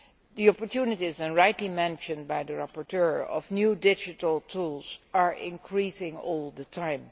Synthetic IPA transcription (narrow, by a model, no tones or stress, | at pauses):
diɔpɔɹtʰjunɪtizɛ̃nɹaɪjtlimɛ̃nʃə̃n̚bajdəɹapɔɹtʰɜɹɔ̰vnjudɪd͡ʒɨtəl̩ˠtʰulˠzaɹʔɪ̰̃nkʰɹisɪ̃ŋɔlˠdətʰãɪ̃m